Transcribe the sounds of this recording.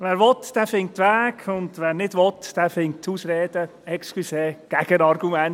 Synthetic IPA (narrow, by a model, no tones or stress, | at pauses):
ʋɛːɾʋɔtd̥ɛːfɪŋtʋæːkʊndʋɛːɾnɪdʋɔtd̥ɛːfɪŋtʰuːsɾeːd̥ə | ɛkskliseːɡ̥ɛɡ̥ənɑɾɡumɛn